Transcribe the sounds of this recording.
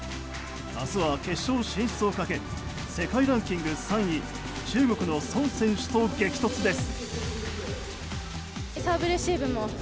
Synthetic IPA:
asɨβake̞ɕːo̞ːɕĩɰ̃st͡sɨokake̞ | se̞kaiɾãŋkʲĩŋɡɯ̟sãɰ̃i | t͡ɕɨːɡo̞kɯ̟no̞sõɰ̃sẽ̞ɰ̃ɕɨ̥t̪oːɡe̞kʲi̥t̪o̞t͡sɨd̪e̞sɨ̥ | et̪abɯ̟ɾɯɕibɯ̟mo

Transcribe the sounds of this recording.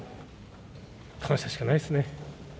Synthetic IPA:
kʰañɕt̪aɕi̥kanaisɨne

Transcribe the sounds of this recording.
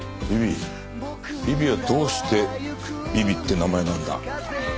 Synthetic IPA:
bʲibʲi | bʲibʲiβad̪o̞ːɕi̥t̪e̞bʲibʲit̪ːe̞namae̞nãnd̪a̰

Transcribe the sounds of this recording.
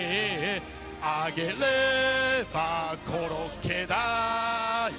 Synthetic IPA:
aɡele | bakʰoɾokʰeða

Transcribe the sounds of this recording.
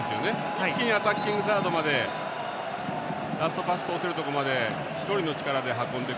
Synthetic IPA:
esɨjone̞ | kʲiɲ̟iat̪akʲːĩŋɡɯ̟s̬aːt̪o̞mad̪e̞ | ɾasɨ̥t̪o̞pasɨ̥t̪o̞ːseɾɯ̟t̪o̞ko̞mad̪e̞ | çi̥t̪o̞ɾʲino̞t͡ɕi̥kaɾad̪e̞ɦakːõ̞nd̪e̞

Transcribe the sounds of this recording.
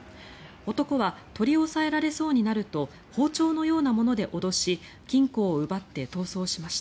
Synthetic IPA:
o̞t̪o̞ko̞βat̪o̞ɾʲio̞sae̞ɾaɾe̞so̞ːɲ̟inaɾɯ̟t̪o̞ | ho̞ːt͡ɕo̞ːno̞jo̞ːnamo̞no̞d̪e̞ʔo̞d̪o̞ɕi | kʲĩŋko̞ːɯ̟bat̪ːe̞t̪o̞ːso̞ːɕimaɕi̥t̪a

